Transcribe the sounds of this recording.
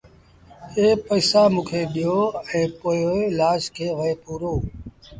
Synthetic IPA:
eːpəːsaːmũːkʰeːɗɪjoːɛ̃ːpoːjoelaːʃkʰeːʋəeːpuːɾoː

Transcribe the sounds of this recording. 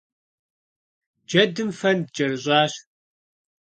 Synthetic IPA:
d͡ʒɐdɨmfɐndd͡ʒɐrɨɕʼɑːɕ

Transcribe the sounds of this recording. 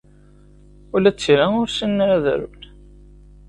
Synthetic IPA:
ʊlæt͡sːɾæʊɾsinːɾæð̰ɾṵn

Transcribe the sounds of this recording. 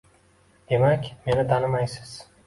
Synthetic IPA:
d̪̥e̞makʲme̞nɪt̪ʰanɪmajsɪ̥z̥

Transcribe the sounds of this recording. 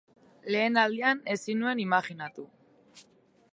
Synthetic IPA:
le̞ːnald̪iane̞sinue̞nimaxinat̪u

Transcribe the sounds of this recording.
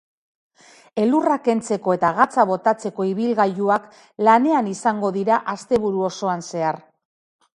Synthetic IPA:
e̞lurake̞nt͡se̞ko̞e̞t̪aɣ̞at͡saβ̞o̞t̪at͡se̞ko̞iβilɣajuak | lane̞anisaŋɡo̞ðiɾaʔast̪e̞β̞uɾuo̞so̞anse̞ar

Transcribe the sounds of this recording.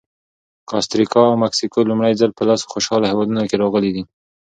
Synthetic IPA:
kɑst̪ɾikɑawmaksikolumɽajzalpəlɑso̥xoʃɑlahewɑd̪unokeɾɑɣəlid̪i

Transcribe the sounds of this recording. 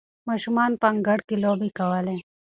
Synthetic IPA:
maːʃumaːnpɐŋɡɐɽkiloːbʱikɐwaːlẽ

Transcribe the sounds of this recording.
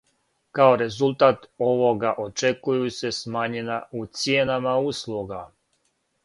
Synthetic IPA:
kaoɾe̞zulˠt̪aːt̪o̞ʋo̞ɡaʔo̞t͡ʃekujuse̞smaɲenaut̪sjeːnamauslˠuɡa

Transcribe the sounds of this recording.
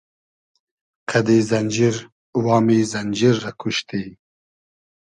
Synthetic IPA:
kʰɐd̪izɐnʲd͡ʒiɾ | wɑːmiːzɐnd͡ʒiɾːɐkʰuʃt̪i

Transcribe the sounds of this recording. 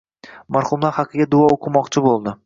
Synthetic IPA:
maɾχʊmlˠaɾhɑqʰːɨɡʲad̪ʊɒoqʰɨmɒqt͡ʃʰɪbolˠd̪ɪ

